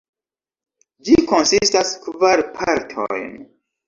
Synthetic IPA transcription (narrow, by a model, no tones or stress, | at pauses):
d͡ʒiko̞nsistaskvaɾpʰaɾtʰo̰jn